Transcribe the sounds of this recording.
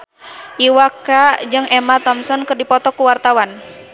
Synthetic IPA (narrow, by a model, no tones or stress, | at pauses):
ʔiwakad͡ʒɨŋɛmat̪ɔmsɔnkɨrdipɔt̪ɔkuwart̪awan